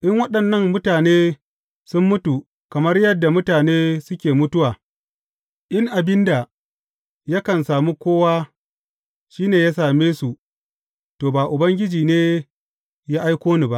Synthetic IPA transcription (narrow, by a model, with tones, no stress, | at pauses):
ʔɪ˦ŋwɐ˦ɗɐ˨nːɐ˦ŋːʊ˦taː˨neː˦ | sʊ˦mːʊ˦tu˨ | kɐ˨mɐ˦rjɐ˦dːa˨mʊ˦taː˨neː˦sʊ˦kʲeː˨mʊ˦tʊ˦waː˨ | ʔɪ˦ŋʔa˨bɪ˦nda˨ | ja˦kɐ˨nsaː˨mu˦kʷoː˦waː˦ | ʃiː˦neː˨jaː˦saː˨meː˦su˨ | toː˨baː˨ʔʊ˨bɐ˦ŋɡʲɪ˦d͡ʒiː˨neː˦ | jaː˦ʔa˦jkʷoː˦niː˨ba˦ʔ